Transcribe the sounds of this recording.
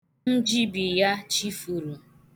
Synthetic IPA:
n̩˦d͡ʒi˦bi˨ja˦t͡ʃi˦fu˨ɾu˨

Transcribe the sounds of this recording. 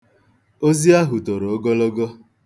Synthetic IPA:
o˦zi˦a˦ɦʊ˨to˨ɾo˨˦ɡɔ˦lɔ˦ɡɔ˦

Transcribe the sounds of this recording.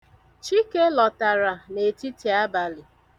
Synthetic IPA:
t͡ʃi˦ke˦lɔ˨ta˨ɾa˨ne˨ti˦ti˨a˦ba˨lɪ˨

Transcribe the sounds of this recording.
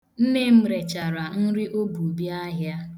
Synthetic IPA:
n̩˦ne˦m̩˦ɾe˨t͡ʃa˨ɾa˨n̩˦ɾɪ˦ʔo˦bu˨bja˦ɦja˦

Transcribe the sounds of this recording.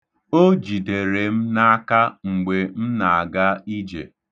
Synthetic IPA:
o˦d͡ʒi˨de˨ɾe˨m̩˦na˦a˦ka˦ŋ͡m̩˨ɡ͡be˨m̩˦na˨a˨ɡa˦i˦d͡ʒḛ˨

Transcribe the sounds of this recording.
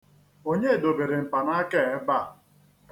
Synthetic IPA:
o˦ɲe˦˨do˨be˨ɾe˨m̩˨pa˨na˦ke˦˨ɛ˦ba˦˨

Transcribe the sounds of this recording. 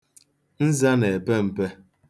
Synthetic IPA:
n̩˦za˦ne˨e˨pe˦m̩˨pe˦

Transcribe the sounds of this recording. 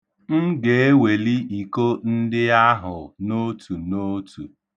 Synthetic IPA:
m̩˦ɡe˨e˦we˨li˦i˨ko˦n̩˦dɪ˦a˦ɦʊ˨no˦tʰu˨no˦tʰu˨

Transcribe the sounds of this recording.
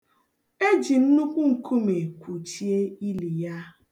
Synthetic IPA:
e˦d͡ʒi˨n̩˦nu˦kʷu˦ŋ̩˨kʰu˦me˨kʷu˨t͡ʃi˦e˦i˦li˨ja˦

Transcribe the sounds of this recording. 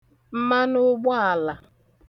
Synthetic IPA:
m̩˦ma˦nʊ˦ɡ͡bɔ˦a˨la˨

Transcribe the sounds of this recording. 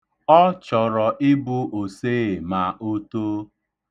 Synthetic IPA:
ɔ˦t͡ʃɔ˨ɾɔ˨ʔɪ˦bʊ˦ʔo˨seː˦˨ma˨ʔo˦to˦

